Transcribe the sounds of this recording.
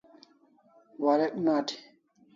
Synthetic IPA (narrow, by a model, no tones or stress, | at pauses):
waɾɛknaːti̥